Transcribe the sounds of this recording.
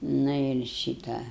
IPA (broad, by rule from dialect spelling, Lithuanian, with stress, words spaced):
ˈnʊ ɪr ˈʃʲiːtɐ